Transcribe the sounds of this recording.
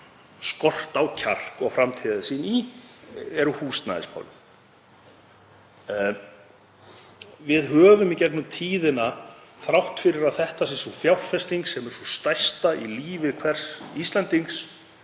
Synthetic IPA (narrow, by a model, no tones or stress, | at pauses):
skɔr̥t̪awcʰar̥kɔɣfɾamt̪ʰɛːðɪsiːni | ɛɾʏhuːst̪na̰ðɪ̰sfɔ̰lv | vɪðɦœːvʏmicɛknʏmt̪ʰiːðɪnaθɾawht̪fɪɾɪɾaðθɛht̪asɪnsɔfjawrfɛst̪iŋksɛmɛɾ̥sɔst̪ajst̪aʔiliːvɪkʰvɛr̥sist̪lɛnt̪iŋks